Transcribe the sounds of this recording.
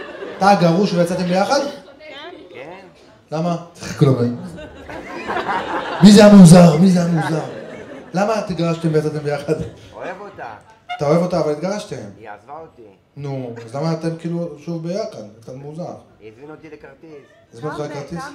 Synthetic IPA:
at̪aɡaʁuʃvejat͡sat̪embejaχad̪ | lamat͡sʁklomem | mizeamuzaʁmizeamuzaʁlamat̪iɡaʁaʃt̪eemvejat͡sat̪embejaχad̪ | at̪ao̞evo̞t̪aːvalit̪ɡaʁaʃt̪ehem | nuazlamaːt̪emkiːluʃuvbejaχad̪kt͡sat̪muzaʁ | azmanʁakat̪is

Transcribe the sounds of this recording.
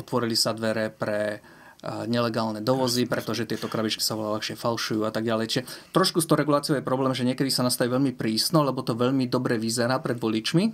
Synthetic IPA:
ɔt̪ʋɔɾilisad̪ʋɛɾɛpɾɛ | ɲɛlɛɡaːlnɛd̪ɔʋɔzipɾɛt̪ɔʒɛt̪ɪɛt̪ɔkɾabit͡ʃki̥saʋɔllaxʃɪɛfalʃujuːat̪aɡ̚ɟalɛjt͡ʃiʒɛt̪ɾɔʃkust̪ɔʊɾɛɡulaːt͡siɪɔʊjɛpɾɔblɛːmʒɛɲɪɛkɛd̪isanast̪aʋiːʋɛʎmipɾiːsnɔlɛbɔt̪ɔʋɛʎmid̪ɔbɾɛʋizɛɾaːpɾɛd̪ʋɔlit͡ʃmi

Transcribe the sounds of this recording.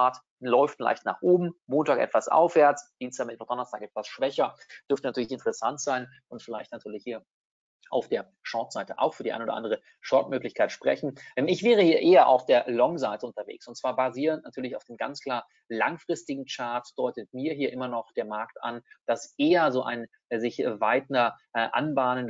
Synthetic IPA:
aɐt | lɔʏftla̰ɪçtna̰ːχʔoːbm̩moːntaːkʔɛ̰tv̥asʔa̰ʊfv̥eːɐt͡sd̥iːnstʰaːmɛtv̥ad̥ɔnɐstʰaːkʔɛtv̥asʃv̥ɛçɐd̥ʏɐftənatʰyːɐlɪçɪntʰəʁəsantz̥aɪn | ʔʊntfɪlaɪçtnatʰyːɐlɪçhiːɐ | ʔa̰ʊfd̥eːɐ | ʃɔːtz̥aɪtəʔa̰ʊxfyːɐdia̰ɪnoːdɐ̰ʔa̰ndəʁ̞ə | ʃɔɐtmøːklɪçkʰaɪtʃpʁ̥ɛ̰çn̩ʔɛmɪçv̥ɛːʁəhiːɐʔeːɐʔa̰ʊfd̥eːɐlɔŋzaɪtəʊntɐvḛːksʊntt͡sv̥aːɐbaziːʁəntnatʰyːɐlɪçaʊfd̥eːnɡa̰nt͡skl̥aːɐ | la̰ŋfʁ̥ɪstɪɡŋ̩t͡ʃaɐtd̥ɔʏtət̚miːɐɦiːɐʔɪmɐnɔχd̥eːɐmaɐkta̰nd̥asʔeːɐzoːʔa̰ɪn | zɪçvaɪtn̩ɐʔa̰nbaːnən

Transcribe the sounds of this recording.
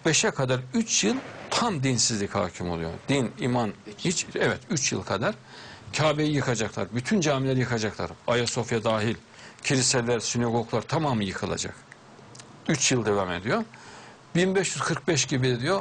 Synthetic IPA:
b̥eʃɛkʰad̪aɾyt͡ʃʰjɯlˠt̪ʰamd̪insizlʲicha̰ːcʰimo̞lˠujo̞̰d̪̥inimanhit͡ʃɛvɛt̪yt͡ʃjɯ̰lˠkʰad̪aɾ̥ | cʰaːbejijɯkʰad͡ʒaklˠa̰ɾbyt̪ʰynd͡ʒaːmilʲeɾijɯkʰad͡ʒaklˠa̰ɾajaso̞fjad̪aːɦilʲ | cʰilʲiselʲæɾsynaɡo̞ɡlˠaɾt̪ʰamaːmɯjɯkʰɯlˠa̰d͡ʒa̰k | yt͡ʃjɯlˠd̪e̞vame̞̰d̪ijo̞ | binbɛʃjyz̥kʰɯɾk̚bɛʃɟibid̪ijo̞

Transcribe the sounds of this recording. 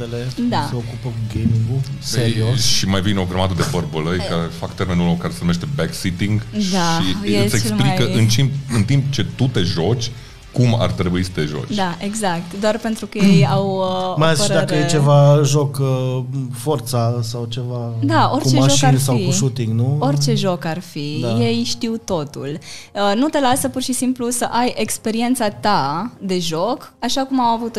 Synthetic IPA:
elese̞okupəkuɡejmiŋɡuseɾiosʃimajvineo̞ɡɾəmad̪əd̪e̞bərbələjkaɾefakt̪e̞ɾme̞nulokaɾesenumeʃt̪e̞beksit̪iŋɡd̪aʃieseksplikəʔɨnt͡ʃimɨnt̪impt͡ʃe̞t̪ut̪e̞ʒo̞t͡ʃʲ | kuma̰rt̪ɾe̞buisə̥t̪e̞ʒo̞̰t͡ʃd̪aeɡzak̚t̪d̪oarpent̪ɾukəjjawəmajaziʃd̪akəjet͡ʃevaʒokəfort̪sasawt͡ʃe̞vad̪ao̞rt͡ʃeʒoasawikuʃut̪iŋɡnuo̞rʲt͡ʃe̞ʒo̞karfije̞jʃt̪iwt̪o̞t̪ṵlənut̪e̞lasəpurʃisimplusəʔajekspe̞ɾie̞nt̪sat̪ad̪e̞ʒo̞kaʃakumawavut̪

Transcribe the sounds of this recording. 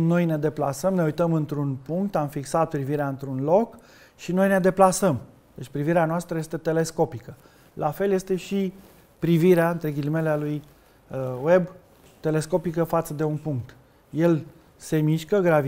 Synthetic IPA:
no̞jne̞d̪e̞pla̰səmne̞ujt̪əmɨnt̪ɾunpuŋkt̪amfiksat̪̚pɾiviɾeaɨnt̪ɾunlo̞k | ʃino̞jne̞d̪e̞plasəm | d̪̥et͡ʃʲpɾiviɾeanoast̪ɾəje̞st̪e̞t̪e̞le̞sko̞pikə | lʔafe̞lje̞st̪e̞ʃi | pɾiviɾeaɨnt̪ɾeɡʲilime̞lealuj | we̞b | t̪e̞le̞sko̞pikəfat̪səd̪e̞unpuŋk̚t̪ | je̞l | se̞miʃkəɡɾavi

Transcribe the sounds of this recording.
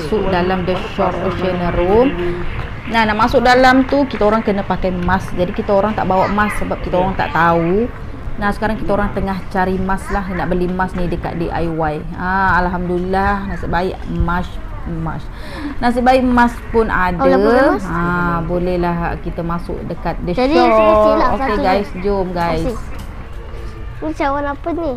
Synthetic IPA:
sʊʔ̚dalamdɛksɔɾoʃənəɾom | nahnaʔmasʊk̚dalamt̪ukit̪aoɾaŋkənəpakajmasd͡ʒadikit̪aoɾaŋt̪a̰ʔbawaʔmasːəbap̚kit̪aoɾaŋt̪a̰ʔt̪au | nahsə̥kaɾaŋkit̪aoɾaŋt̪əŋaht͡ʃaɾimaslaɦnaʔbərlimasnidəka̰t̪̚diʔa̰jwaj | aalɦamdulilahnasəʔbaɪʔmas | ma̰s | nas̬iʔbaɪʔmãspʊna̰daabolɛhlahkit̪əmasʊ̰ʔdəkat̪̚dəɔɔokeɡajsd͡ʒomɡajs | mut͡ʃawanapəni

